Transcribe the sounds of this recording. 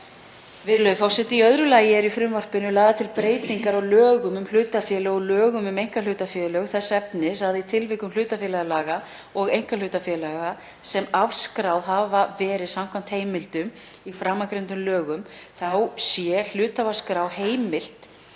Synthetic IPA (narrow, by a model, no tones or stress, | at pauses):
vɪðlœɥðfawsɛt̪ɪiœðɾʏlaːjɪɛɾifɾʏmvɔr̥pɪnʏlaːðat̪ʰɪlpɾeːjt̪niŋkaɾawlœːɣʏmʏml̥ʏːt̪afjɛlɛɣɔlœːɣʏmʏmejŋ̥kalʏːt̪afjɛlœɣθɛsːɛpnɪsaðit̪ʰɪlvɪkʏmlʏːt̪afjɛːlɛɣalaːɣa | ɔɣejŋ̥kal̥ʏːt̪afjɛlaɣa | sɛmafskɾawðɦavavɛːɾɪðsamkʰvam̥t̪heːjmɪlt̪ʏm | ifɾaːmːakɾent̪ʏmlœːɣʏmθawsjɛl̥ʏːt̪avaskɾawheːjmɪl̥t̪